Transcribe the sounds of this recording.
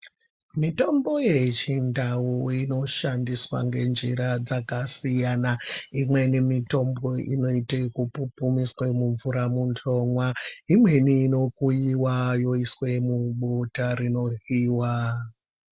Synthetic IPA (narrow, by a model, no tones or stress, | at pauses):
mito̞mbo̞je̞t͡ʃindʱawuino̞ʃandiswa̰ŋɡe̞nd͡ʒiɾad͡zakasijanaimwe̞nemito̞mbo̞ʔḭno̞itekupupumiswemuɱvuɾamuntʰomwaimwe̞niːno̞kujiwajo̞iswe̞muɓotarino̞riːwa